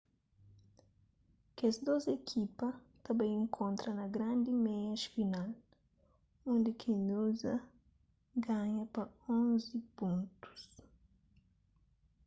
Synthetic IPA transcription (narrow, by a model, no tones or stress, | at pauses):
kezd̪ozekʰipɐ | t̪ɐbẽj̃ẽŋkʰõnt̪ɾɐnɐɡɾãnd̪imɛɐʃfinal | õnd̪ɪkʰẽnuzɐ | ɡaɲɐpɐõzipũnt̪u̥s